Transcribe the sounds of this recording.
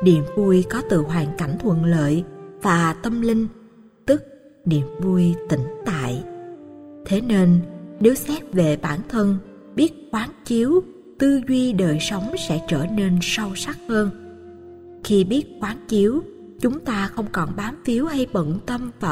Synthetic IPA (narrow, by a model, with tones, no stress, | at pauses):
nḭ˧˨əmvu˧jkɔ˨˦t̪ɨ̰˧˨ɦwaː˨˩ŋka˧˩jŋ̟t̪ʰwə̰˧˨nlə̰ː˧˨jvaː˨˩t̪ə˧mlï˧ŋ̟ | t̪ɨ˦˥k̚ | nḭ˧˨əmvu˧jt̪ï˨˦ŋ̟t̪a̰ː˧˨j | t̪ʰe˨˦ne˧nne˨˦wsɛ˦˥p̚ve˨˩ɓaː˧˩nt̪ʰə˧n | ɓi˦˥ət̚kwaː˨˦nt͡ɕi˨˦əw | t̪ɨ˧zwi˧ɗəː˨˩jsə˨˦wŋ͡msɛ̰˧˥t͡ɕəː˧˩ne˧nsa˧wsa˦˥k̚həː˧n | xi˧ɓi˦˥ət̚kwaː˨˦nt͡ɕi˨˦əw | t͡ɕʊ˨˦ŋ͡mt̪aː˧xə˧wŋ͡mkɔ˨˩nɓaː˨˦mfi˨˦əwha˧jɓə̰˧˨nt̪ə˧mvaː˨˩